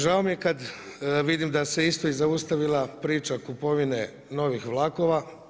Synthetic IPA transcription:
ʒaomijekad̪ʋid̪imd̪aseist̪ojizaust̪aʋilˠapɾiːt͡ʃakupo̞ʋine̞ | no̞ʋixʋlˠako̞ʋa

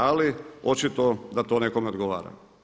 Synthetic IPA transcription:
alio̞t͡ʃit̪od̪at̪oːneko̞meod̪ɡoʋa̰ːɾa̰

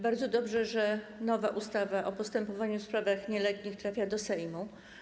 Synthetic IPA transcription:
baɾd̪zɔd̪ɔbʐɛʐɛnɔva̰ʔust̪avaʔɔpɔst̪ɛmpɔvaɲufspɾavaxɲɛlɛt̪ɲixt̪ɾafʲjad̪ɔsɛjmu

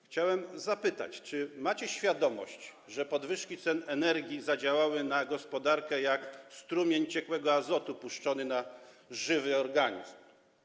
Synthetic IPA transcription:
xt͡ɕawɛmzapɘt̪a̰t͡ɕt͡ʂɘmat͡ɕɛɕfʲjad̪ɔmɔ̰ɕt͡ɕ | ʐɛpɔd̪vɘʂkʲit̪sɛnɛnɛɾɡʲizad͡ʑawawɘnaɡɔspɔd̪aɾkɛjakst̪ɾumʲjeɲt͡ɕɛkwɛɡɔazɔt̪upuʂt͡ʂɔnɘnaʐɘvɘɔɾɡaɲḭzm

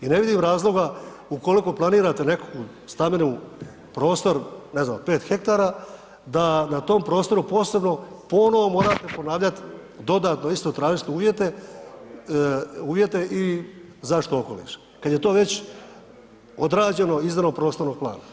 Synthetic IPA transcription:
ine̞ʋid̪imɾaːzlˠo̞ɡa | uko̞liko̞plˠaniːɾat̪e̞ne̞kku | st̪amenu | pɾo̞ːst̪o̞ɾne̞znaːmpe̞ːt̪xe̞k̚t̪aːɾaː | d̪anat̪o̞mpɾo̞ːst̪o̞ɾupo̞ːse̞bno̞ | po̞noʋo̞mo̞ːɾat̪e̞po̞naːʋʎat̪ | d̪o̞d̪aːt̪no̞ist̪ot̪ɾaːʒist̪ouːʋje̞t̪e̞ | uːʋje̞t̪e̞ʔi | zaʃt̪o̞oko̞lḭʃ | kad̪je̞t̪o̞ːʋe̞t͡ɕ | od̪ɾaːd͡ʑe̞no̞iznenopɾo̞ːst̪o̞ɾnoɡ̚plˠa̰ːna

